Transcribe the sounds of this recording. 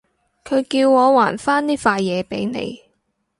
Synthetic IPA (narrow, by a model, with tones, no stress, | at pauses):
kʰɵ˨˧ɥkiː˧wŋɔː˨˧waː˨˩nfaː˥nt̪iː˥faː˧jːɛː˨˧pe˨˥jnḛ˨˧j